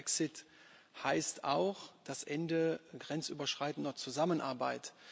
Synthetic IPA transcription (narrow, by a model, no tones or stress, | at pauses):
ɛksɪt | haɪstaʊxd̥asʔɛndəɡʁɛnt͡sʔy̰ːbɐʃʁ̥aɪtn̩dɐt͡suzamənʔaɐbaɪt